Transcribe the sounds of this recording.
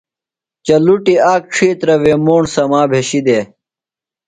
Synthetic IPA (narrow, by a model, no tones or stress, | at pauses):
t͡ɕɐluʈiaːk̚ʈ͡ʂʰiːt̪ɾɐʋeːmoːɳsɐmaːbʱeɕid̪eː